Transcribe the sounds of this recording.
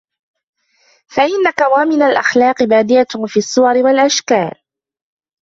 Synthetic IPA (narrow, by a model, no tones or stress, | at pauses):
faʔɪnːakawamɪnalʔaxlɑːqɨbaːd̪ɪʔafiːasˤːʊwɑɾɪwalʔaʃkaːl